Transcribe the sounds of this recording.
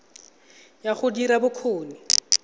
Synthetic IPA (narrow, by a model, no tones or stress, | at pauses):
jaχʊdiɾabʊkʰoːnɪ